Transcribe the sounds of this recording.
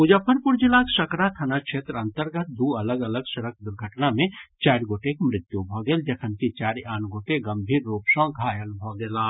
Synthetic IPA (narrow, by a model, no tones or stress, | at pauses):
pud͡ʒəpʰəɾpʊɾd͡ʒilaːksəkɾat̪ʰənakʃʰeːt̪ɾəɐ̃nt̪əɾɡət̪̚d̪uːɐləɡələɡʃɐɾək̚ʰd̪ʊɾɡʱəʈnamẽt͡ʃaːɾɡoːʈekmɾɪt̪ːjubʱɔːɡeːld͡ʒɐkʰənkit͡ʃaːɾaːnɡoːʈeɡəmbʱiːɾːuːpsɔ̃ɡʱaːjəlbʱɔɡeːlaː